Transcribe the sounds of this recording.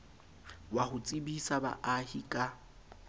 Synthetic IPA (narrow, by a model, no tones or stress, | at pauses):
wahʊt͡sʼɪbisaba̰ʔahikʼa